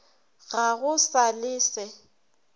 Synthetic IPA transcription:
ɣaɣʊsalɪːsɛ

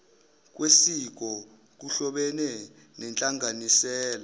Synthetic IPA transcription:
k̬wesik̬ɔ | k̬uɬɔɓɛnɛ | nɛnt͡ɬʼaŋanisɛːla

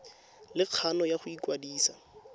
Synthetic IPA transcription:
lɪq͡χʰanɔjaχʊikwadiːsa

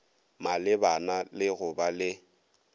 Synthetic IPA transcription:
malɪbanalɪɣʊbalɪ

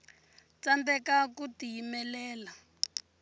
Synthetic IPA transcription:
t͡sandɛkakutijimɛlɛːla

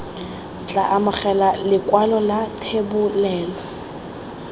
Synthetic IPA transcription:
t͡ɬʼa̰ʔamaχɛlalɪkʼwalɔlatʰebʊlɛːlɔ

